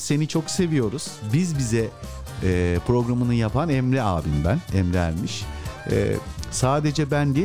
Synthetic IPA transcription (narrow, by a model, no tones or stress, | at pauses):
se̞nit͡ʃʰo̞kse̞vijo̞ɾuz̥bizbizɛ | pʰɾo̞ɡɾamɯnɯjapʰanɛmɾɛaːbinbænɛmɾɛæ̰ɾmiʃɛ̰saːd̪e̞d͡ʒɛbænd̪e